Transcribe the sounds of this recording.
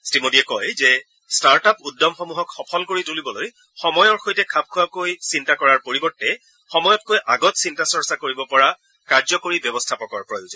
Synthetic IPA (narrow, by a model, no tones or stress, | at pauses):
stimodiɛkɔjzɛ | staɹtapudːɔmxɔmuɦɔkxɔpʰɔlkoɹitulibɔloj | xɔmɔjɔɹxojtɛkʰap̚kʰuwakojsintakɔɹaɹpoɹibɔɹtːɛ | xɔmɔjɔtkojʔaɡɔtsintasɔɹsakoɹibɔpɔɹa | kaɹzɔkoɹibjɔbɔstʰapɔkɔɹpɹɔjozɔ